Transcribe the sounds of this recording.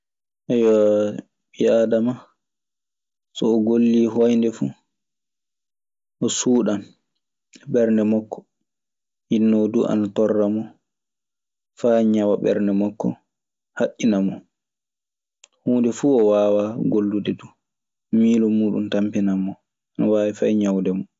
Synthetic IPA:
ʔɛjɔ | ɓiadama | sɔːɡolːiːɦɔjndɛfu | ʔɔsuːɗam | bɛɾndɛmɔkːɔ̥ | hinːɔduʔa̰natɔrːamɔ | faɲawaɓɛ̰ɾndɛmɔkːɔ̰ | haʔːinamɔ | huːndɛfuːɔwaːwaɡolːudɛdu | miːlɔmuːɗṵntampinamːɔ | anawaːwifajɲawdɛmɔ

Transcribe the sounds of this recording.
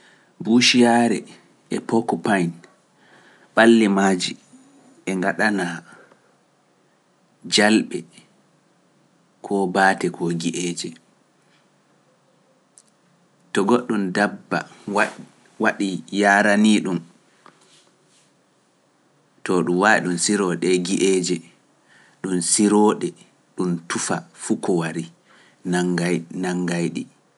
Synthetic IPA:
buʃijaɾɛ | ʔɛpɔkːɔpajn | ɓalːimaːd͡ʒi | ɛŋɡaɗana | d͡ʒalɓɛ | kʰɔbaːtɛkʰɔɡiʔeːd͡ʒɛ | tɔɡɔɗːundabːa̰ | waɗijaːɾaniːɗum | tɔɗumwaɗunsiɾɔɗɛɡiʔed͡ʒɛ | ɗunsiɾɔːɗɛ | ɗuntufafukɔwaɾi | nanaŋɡajɗi

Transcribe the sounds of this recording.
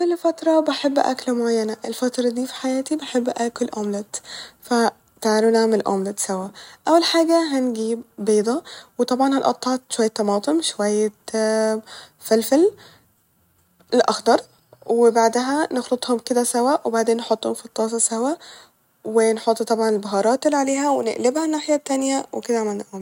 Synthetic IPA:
kolːfæt̪ɾˤɑbeħebːʔæ̰klmoʕajːænæʔelfæt̪ɾˤɑd̪iːfi̥ħajæːt̪ibeħebːʔækolʔoːmlet̪fæ | t̪aʕalunaʕmelʔo̰mlet̪sæwæʔæwːælħaːɡæɦænɡiːbːeːd̪ˤɑwet̪ˤɑbʕɑnhænʔɑ̰t̪ˤːɑʕt̪ʃowæjːæt̪ːɑmɑːt̪ˤemʃowæjːe | fælfæl | lʔɑxd̪ˤɑɾˤ | webaʕd̪ɦænexlot̪ˤhomked̪æsæwæʔwebaʕd̪eːnːħot̪ˤːhomfit̪ˤːɑːs̬ˤɑsæhwæ | wenħot̪ˤːt̪ˤɑbʕɑnelbɑɦɑːɾˤɑːt̪elːiʕaleːɦæwenḛʔlebhænːaːħejæt̪ːænjæweked̪æʕamællʔoːm

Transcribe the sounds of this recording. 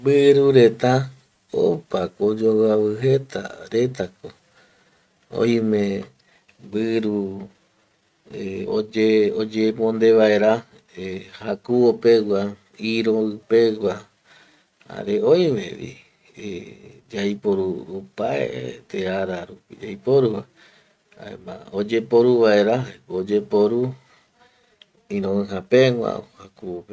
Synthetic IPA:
bɨɾuɾe̞t̪a | o̰pakod͡ʒowaβɨɦe̞t̪ʰa̰ɾet̪ako | õ̰j̃mẽ | bɨɾu | eo̰d͡ʒeod͡ʒemõnd̪e̞ʋae̞ɾa | hakuopeɡa | iɾoɨpewa | a̰ɾeojʋḛʋḭ | ed͡ʒajpoɾuopaḛt̪eaɾaɾupḭd͡ʒajpoɾua | a̰ḛmã̰od͡ʒepoɾuβaeɾaod͡ʒepoɾu | ĩɾõɨɦapeŋʷã̰ohakuope

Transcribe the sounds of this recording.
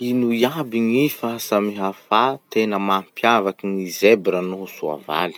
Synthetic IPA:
inujabiŋifasamiɦafat̪enəmampjavakiŋizebiɾanuɦusua̰va̰li̥

